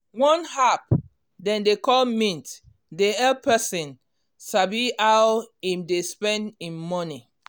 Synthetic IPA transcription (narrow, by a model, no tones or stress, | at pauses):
wɔ̃nhap | dɛ̃ndekɔlmĩnt | deɛlpʰɛsĩn | sabiawimdespɛ̃ndĩnmɔni